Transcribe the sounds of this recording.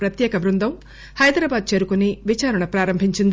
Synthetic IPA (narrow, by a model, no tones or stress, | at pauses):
pɾɐt̪jɛːkɐʋɾund̪ʱɐm | hɐjd̪ɾaːbaːd̪̚t͡ʃe̞ːɾukuniʋit͡ʃaːɾɐɳɐpɾaːɾɐmbʱiɲt͡ʃind̪